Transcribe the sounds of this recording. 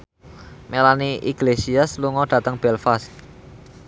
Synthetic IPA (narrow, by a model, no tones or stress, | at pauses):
melaniʔḭɡ̥lesiasluŋɔɖ̥ä̤t̪əŋb̥ɛlfast̪̚